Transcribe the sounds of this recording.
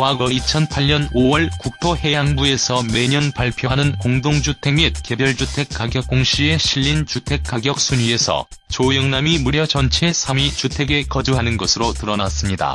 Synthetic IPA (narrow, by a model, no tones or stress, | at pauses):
waɡʌit͡ɕʰʌnpʰaʎɲʌnowʌɭkuk̚tʰohe̞jaŋbue̞sʰʌme̞ɲʌnpaɭpʰjoɦanɯnkoŋdoŋd͡ʑutʰe̞ɡmit̚ke̞bjʌɭd͡ʑutʰe̞k͈aɡjʌk̚k͈oŋɕʰie̞ɕʰiʎːint͡ɕutʰe̞k̚k͈aɡjʌk̚s͈ʰuɲie̞sʰʌ̰ | t͡ɕojʌŋnamimuɾjʌt͡ɕʌnt͡ɕʰe̞sʰamit͡ɕutʰe̞ɡe̞kʌd͡ʑuɦanɯnɡʌsʰɯɾotɯɾʌnas͈ɯmɲida̰